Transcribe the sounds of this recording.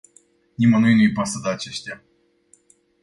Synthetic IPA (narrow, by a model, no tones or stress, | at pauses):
nʲimanuinuipasad̪aːt͡ʃeʃt̪ʲja